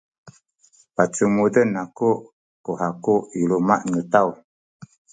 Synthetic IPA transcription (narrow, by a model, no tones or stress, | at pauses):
pat͡ʃumudənakuʔ | kuhakuʔilumaʔnut̪aw